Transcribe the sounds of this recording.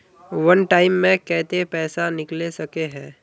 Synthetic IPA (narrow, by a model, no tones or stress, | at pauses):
ʋɐnʈaːɪmːẽkɛːt̪epɛːsanɪklesɐkeɦɛ̃ː